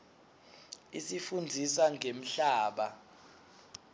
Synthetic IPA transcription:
isifund͡zʱiswaŋʱem̩ɬaːɓa

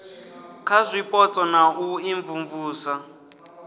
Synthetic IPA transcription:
kʰazʷipʼɔt͡sʼɔnauiɱvuɱvuːsa

